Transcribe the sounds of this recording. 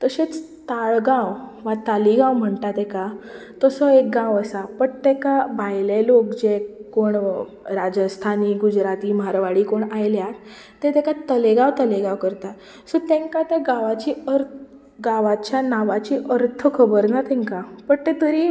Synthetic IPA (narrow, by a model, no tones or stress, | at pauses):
t̪əɕet͡s | t̪aɭɡãwʋat̪aliɡãwm̤əɳt̪at̪ɛka | t̪əsəek̚ɡãwəsapəɳt̪ɛkabʱajlelokd͡ʑekoɳ | ɾad͡ʑəst̪ʰaniːɡud͡ʑɾat̪iːmaɾʋaɽiːkoɳajljat̪ː | et̪ɛkat̪əleɡãwt̪əleɡãwkəɾt̪a | sət̪ẽŋkat̪əɡaʋat͡ɕiːəɾt̪ | ɡaʋat͡ɕjanaʋat͡ɕiːʔəɾt̪ʰəkʰəbəɾnat̪ɛ̃ŋkapəɳt̪et̪əɾiː